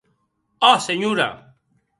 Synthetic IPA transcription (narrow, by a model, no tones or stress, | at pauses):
aseɲuːɾa̰ː